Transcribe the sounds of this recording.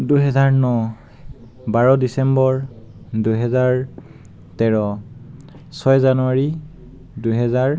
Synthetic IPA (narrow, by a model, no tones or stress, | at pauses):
duɦɛzaɹnɔ | baɹɔdisɛmbɔɹ | duɦɛzaɹ | tɛɹɔ | sɔjzanuaɹi | duɦɛzaɹ